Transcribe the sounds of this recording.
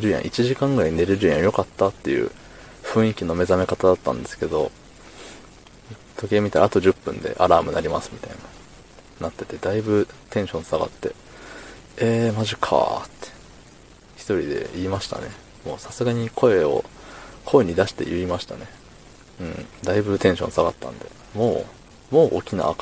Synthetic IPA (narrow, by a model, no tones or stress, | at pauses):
ɾɯ̟jã̰ʔit͡ɕiʑikãŋɡɯ̟ɾaɲine̞ɾɯɾɯjãjo̞kat̪ːat̪ːe̞jɯ̟̰ː | ɸɯ̟̃ɰ̃ikʲino̞me̞zame̞kat̪ad̪at̪ːã̰nd̪e̞sɨ̥ke̞d̪o̞̰ | t̪o̞kʲiemʲit̪aɾa̰ːt̪o̞ʑɨpːɯ̟̃nd̪e̞̰ʔaɾaːmɯ̟naɾʲimasɨ̥mʲit̪aina | nat̪ːe̞t̪e̞d̪aibɯ̟t̪ẽ̞ɰ̃ɕõ̞ɰ̃saɡa̰t̪ːe̞ | eːmaʑikʰa̰t̪ːe̥ | çi̥t̪o̞ɾʲid̪e̞̰iːmaɕi̥t̪a̰ne̞ | mo̞ːsasɨɡaɲ̟ikʰo̞e̞o̞̰kʰo̞eɲ̟id̪aɕi̥t̪e̞̰jɯ̟imaɕi̥t̪a̰ne | ɯ̟̃ɴd̪aibɯ̟t̪ẽ̞ɰ̃ɕõ̞saɡat̪ːã̰nd̪e̞̰ | mo̞ː | mo̞ːʔo̰kʲina̰ːk